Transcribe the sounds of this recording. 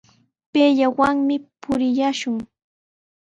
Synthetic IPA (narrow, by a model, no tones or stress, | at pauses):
peːʎawaŋmɪpʊɾɪjaʃʊŋ